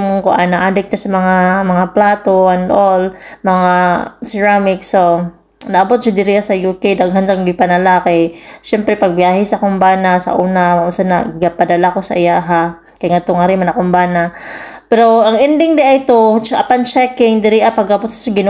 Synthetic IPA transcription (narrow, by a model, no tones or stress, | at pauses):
mŋkʊʔanɐʔad̪ɛk̚t̪asɐmɐŋamɐŋaplaːt̪oʔɛnd̪ʔolmɐŋasɛɹamɪkso | nɐʔɐbot̪̚ʃad̪ɪɾɪʔasɐjukejd̪aɡɦansaŋɡɪpɐnɐlakɛʃɛmpɾɛpɐɡ̚bjaːɦɪsɐkombaːnasɐ̰ʔuːnamaʔʊnsanaɡapad̪ɐlakosɐ̰ʔɪjaʔɦa | kɐjŋat̪oŋaɾɪmanɐkʊmbaːna | pɛɾoʔɐŋɪnd̪ɪŋd̪ɪʔaɪt̪oɐ̰pant͡ʃɛkɪŋd̪ɪɾɪʔapɐɡabot̪sasɐɡɪn